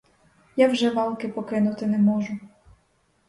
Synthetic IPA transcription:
jawʒɛʋɑlˠkɪpɔkɪnʊt̪ɪnɛmɔʒʊ

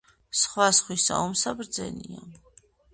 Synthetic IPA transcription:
sχwasχwisa̰umsabɾd̪zɛ̰nia

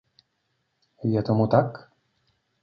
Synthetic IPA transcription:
vʲad̪ɔmut̪ak

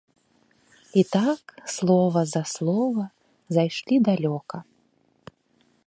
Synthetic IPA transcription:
it̪akslˠɔvɐzɐslˠɔvɐ | zajʂlʲid̪alʲɔkɐ

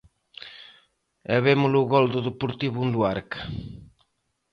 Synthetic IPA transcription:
ɛβemuluɣɔld̪uðepuɾt̪iβund̪uaɾkḁ

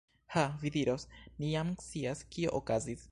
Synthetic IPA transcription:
havidiɾo̞snijamt͡siaskio̞̰ʔokazis

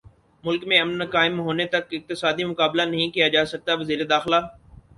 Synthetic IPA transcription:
mʊlkmẽɐmnkaːɪmɦoːnet̪ɐkɪq̚t̪ɪsaːd̪imʊkaːblanɐɦĩkijad͡ʒaːsɐk̚t̪aʋɐziːɾed̪aːxlaː

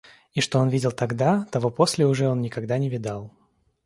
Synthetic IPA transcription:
iʂt̪o̞o̞nvʲidʲɪlˠt̪ɐɡd̪at̪ɐvo̞po̞sʲlʲɪʊʐɛo̞nnʲɪkɐɡd̪anʲɪvʲɪd̪alˠ

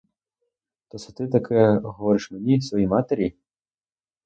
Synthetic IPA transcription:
t̪ɔsɛ̥t̪ɪt̪ɐkʰɛɦɔʋɔɾɪʃmenʲisʋɔjimɑt̪eɾʲi

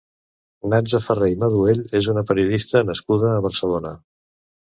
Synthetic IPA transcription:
nad͡zəfərejməðueʎezunəpəɾiuðist̪ənəskuðəːβ̞əɾsəlonə

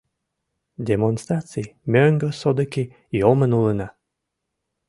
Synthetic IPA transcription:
d̪ʲemonst̪ɾat̪sɨjmʲøŋɡøsod̪əki | jomənuləna

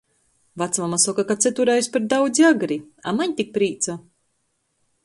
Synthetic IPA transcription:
vat̪smamasɔkakat̪sɛt̪uɾajspaɾd̪awd̪ziaɡɾi | a̰maɲt̪ik̚pɾiːt̪sa

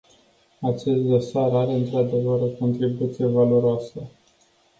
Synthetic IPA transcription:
at͡ʃe̞st̪̚d̪o̞saɾaɾe̞ɨnt̪ɾad̪e̞vəɾo̞ko̞nt̪ɾibut̪sije̞valo̞ɾoasə

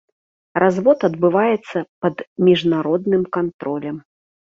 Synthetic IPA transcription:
razvɔt̪ɐd̪bɨvajɛt̪sːɐpɐd̪mʲiʐnaɾɔd̪nɨmkant̪ɾɔlʲɐm

